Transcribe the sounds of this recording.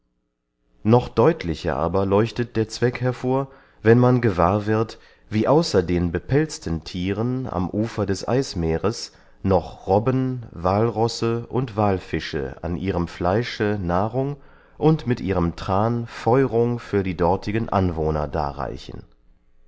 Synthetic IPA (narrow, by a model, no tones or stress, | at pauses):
nɔχd̥ɔʏtʰlɪçɐ̰ʔa̰ːbɐlɔʏçtət̚d̥eːɐt͡sv̥ɛkhɛɐfoːɐ | vɛnmanɡəvaːɐvɪɐt | viːʔaʊsɐdeːnbəpʰɛlt͡stən̩tʰiːʁəna̰mʔuːfɐdɛsʔa̰ɪsmeːʁəs | nɔχʁɔbənvaːlʁɔsəʔʊntv̥aːlfɪʃə̰a̰nʔiːʁəmflaɪʃənaːʁʊŋ | ʔʊntmɪtʔiːʁəmtʁ̥aːnfɔʏʁʊŋfyːɐdiːdɔɐtʰɪɡənʔa̰nvoːnɐ̰da̰ːʁa̰ɪçn̩